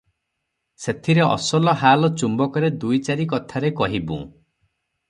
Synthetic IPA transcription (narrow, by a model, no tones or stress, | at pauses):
set̪ʰiɾeʔɔ̰sɔlɔɦalɔt͡ʃumbɔkɔɾed̪ujt͡ʃaɾikɔt̪ʰaɾekɔɦibṵ̃